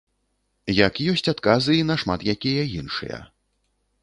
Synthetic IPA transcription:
jɐkjɔsʲt͡sʲat̪kazɨinɐʂma̰t̪jakʲijɐinʂɨ̰jɐ̰

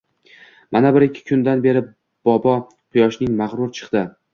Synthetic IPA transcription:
mʔanabɪɾɪkʲʰːɪ̥kʰʊnd̪anbe̞ɾɪ | b̥ɒbɒ | qʰʊjɒʃnɪŋmaʁɾʊɾt͡ʃʰɨ̥qd̪ɪ

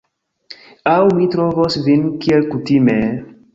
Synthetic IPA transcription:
awmitɾovosvinkielkutime

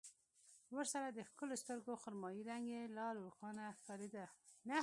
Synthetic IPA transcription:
wəɾsaɾad̪əxkəlost̪əɾɡoxʊɾmɑjiɾaŋɡelɑɾuɾxɑnafaɾed̪ana

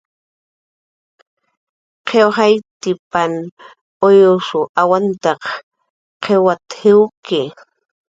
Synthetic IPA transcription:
qʰewhajt̪ɪpan | ojʊʂʊʔawant̪ɑq | qʰewat̪hɪwkɪ

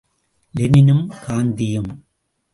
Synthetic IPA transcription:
lɪnɪnɯmkaːnd̪ɪjɯm

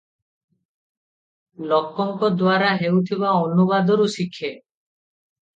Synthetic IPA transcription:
lɔkːɔŋkɔd̪waɾaɦewt̪ʰiβaonubad̪ɔɾusikʰːe

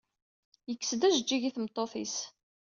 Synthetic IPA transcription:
jəkːsd̪æʒəd͡ʒːiʝiθmt̪ˤːoθis

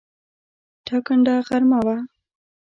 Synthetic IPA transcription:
ʈʰakəɳɖaɣaɾmawa

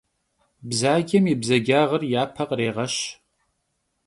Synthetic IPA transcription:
bzaːɡʲɐmibzɐɡʲaːʁɐrjaːpʰɐqʼreːʁɐʃ

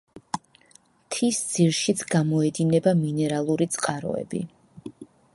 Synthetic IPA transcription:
t̪ʰisd̪z̥iɾʃit̪sʰɡamɔɛd̪inɛbaminɛɾalˠuɾit̪sʼqʼaɾɔ̰ɛ̰bḭ

